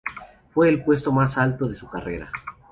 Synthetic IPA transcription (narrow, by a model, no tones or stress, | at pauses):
fwe̞ːlpwe̞st̪o̞masalt̪o̞ð̞e̞sukarḛɾa̰